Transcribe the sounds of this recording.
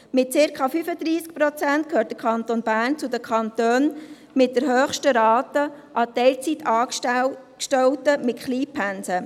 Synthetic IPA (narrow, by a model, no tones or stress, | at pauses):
mɪt̚t͡sɪɾkʰɑfyfəd̪ɾiːsk̚pɾot͡sæntkʰøːɾt̚d̥̪əkʰχɑnt̪onbæːrnt͡sʊdəkʰɑntøːn | mɪt̚d̥əɾɦøːχʃtəɾɑːt̪əʔɑtɛɪlt͡sitɑː | kʃtɛwtəmɪtχliːpʰːænsə